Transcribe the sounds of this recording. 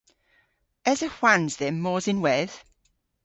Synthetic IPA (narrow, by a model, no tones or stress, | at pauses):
ɛzəhwanzðɪmːɔːzɪnwɛð̥